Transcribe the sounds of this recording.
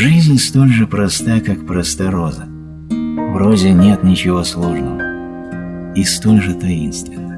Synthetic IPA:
ʐɨzʲnʲst̪o̞lʲʐɨpɾɐst̪ajkakpɾɐst̪ɐɾozə | vɾozʲɪnʲe̞t̪nʲɪt͡ɕɪvo̞slˠo̞ʐnəvə | ist̪o̞lʲʐɨt̪ɐinst̪vʲɪnːə

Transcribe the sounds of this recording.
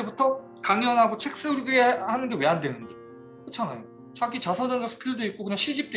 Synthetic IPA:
ebutʰʌ | kaŋjʌnɦaɡot͡ɕʰe̞k̚s͈ɯɭɡiehanɯnɡe̞weɦandwenɯnde | kot͡ɕʰanajo | t͡ɕaɡit͡ɕasʰʌdɯnɡʌsʰu̥kʰjiɭdoik͈̚okɯɲaŋɕʰid͡ʑip̚t͈o

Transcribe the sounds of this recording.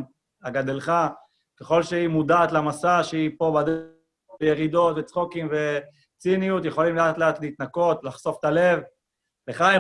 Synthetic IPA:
aɡad̪elχa | keχo̞lʃeimudaːt̪lamasaʃeipo̞bad̪ | ejeʁid̪o̞t̪vet͡sχokimve | t͡sinijut̪jeχo̞limleat̪leat̪leit̪nako̞t̪laχso̞ft̪ale̞v | veχae

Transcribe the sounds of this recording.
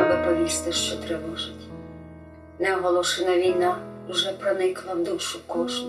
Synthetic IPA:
ʋɪpɔʋʲist̪ɐʃt͡ʃɔt̪ɾɛʋɔʒɪtʲ | nɛɔɦɔlˠɔʃɛnɐʋʲijnauʒɛpɾɐnɪklˠɐwd̪ulʲʃʊkɔʃt̪

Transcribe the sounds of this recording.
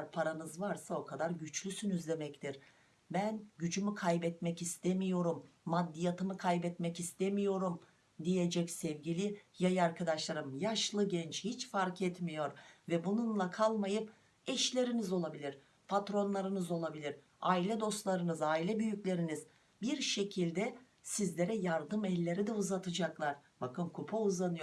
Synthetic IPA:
ɾpʰaɾanɯzvaɾsao̞kʰad̪aɾɟyt͡ʃlʲysynyzlʲe̞mɛct̪ʰiɾ̥ | bænɟyd͡ʒymykʰajbɛt̪mɛcist̪emijo̞ɾumːad̪ːijat̪ʰɯmɯkʰajbɛt̪mɛcist̪emijo̞ɾum | d̪ijed͡ʒɛcsɛvɟilʲijajaɾkʰad̪aʃlˠaɾɯmjaʃlˠɯɟɛnt͡ʃhit͡ʃfaɾkʰɛt̪mijo̞ɾvɛbununlˠakʰalˠmajɯp | ɛʃlʲe̞ɾinizo̞lˠabilʲiɾ̥ | pʰat̪ɾo̞nlˠaɾɯnɯzo̞lˠabilʲiɾ | aːilʲɛd̪o̞st̪lˠaɾɯnɯzaːilʲɛbyjycʲlʲe̞ɾiniz̥ | biɾʃe̞cʰilʲd̪ɛ | sizlʲe̞ɾɛjaɾd̪ɯmɛlʲːe̞ɾid̪ɛuzat̪ʰɯd͡ʒaklˠaɾ̥ | bakɯnkʰupʰauzˠanɯjoɾ

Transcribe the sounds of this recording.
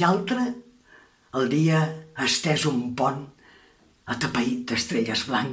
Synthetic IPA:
alˠt̪ɾəː | lˠd̪iəːst̪ɛzumpɔn | ət̪əpəit̪̚d̪əst̪ɾeʎəzβlaŋ

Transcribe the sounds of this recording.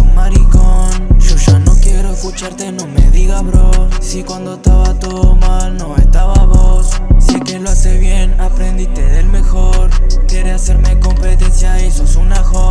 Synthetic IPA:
maɾikonʒoʒanokjeɾoeskut͡ʃaɾt̪enomeðiɣaβɾosikwand̪oest̪aβat̪oðomalnoest̪aβaβossiekeloaseβjenapɾẽnd̪it̪eðelmexoɾkjeɾease̞ɾmekompet̪esjaisosunaxo

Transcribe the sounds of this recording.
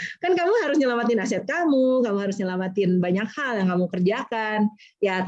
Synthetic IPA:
kankamuɦaɾʊsɲəlamat̪ɪnasɛt̪̚kamukamuɦaɾʊsɲəlamat̪ɪnbaɲakhaljaŋkamukərd͡ʒakan | jat̪

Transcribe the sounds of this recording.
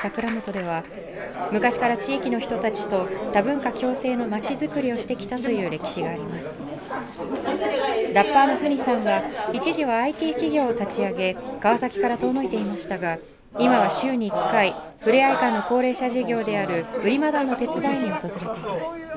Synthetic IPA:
sakɯ̟ɾamot̪o̞d̪e̞β̞a | mɯ̟kaɕi̥kaɾat͡ɕiːkʲino̞çi̥t̪o̞t̪at͡ɕi̥t̪o̞t̪abɯ̟̃ŋkakʲo̞ːse̞ːno̞mat͡ɕizɨkɯ̟ɾʲio̞ɕi̥t̪e̞kʲi̥t̪at̪o̞jɯ̟ːɾe̞kʲi̥ɕiɡaːɾʲimasɨ̥ | d̪apːaːno̞ɸɯ̟ɲ̟isãɰ̃βait͡ɕiʑiβaːit̪ʲiːkʲiɡʲo̞ːt̪at͡ɕiaɡe̞ɡ̥aβasakʲi̥kaɾat̪o̞ːno̞it̪e̞imaɕi̥t̪aɡa | imaβ̞aɕɨːɲ̟iːkːai | ɸɯ̟ɾeaikãnːo̞ko̞ːɾe̞ːɕaʑiɡʲo̞ːd̪e̞aɾɯ̟ɯ̟ɾʲimad̪anːo̞t̪e̞t͡sɨd̪aiɲ̟io̞t̪o̞zɨɾe̞t̪e̞imasɨ̥

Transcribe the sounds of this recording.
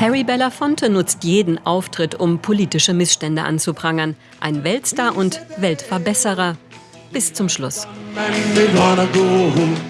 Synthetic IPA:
hʰɛʁibɛlɐfɔntʰonʊt͡stjeːdn̩ʔaʊftʁ̥ɪtʰʊmpʰoliːtɪʃəmɪsʃtɛndə̰ʔa̰nt͡supʁ̥aŋɐn | ʔa̰ɪnvɛltstaːɐʔʊntvɛltfɛɐbɛsəʁ̞ɐ | b̥ɪst͡sʊmʃlʊs | edaːnəɡoːɦʊ

